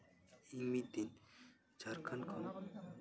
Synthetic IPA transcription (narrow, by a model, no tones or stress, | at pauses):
imid̪in | d͡ʒaɾkʰankʰɔn